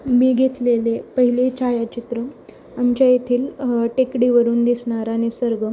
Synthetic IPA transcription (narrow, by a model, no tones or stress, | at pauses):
miːɡʱet̪lelepəɦilet͡ɕajat͡ɕit̪ɾə | amt͡ɕjajet̪ʰiːlʈekɽiʋəɾuːnd̪isɳaɾaɽ̃isəɾɡə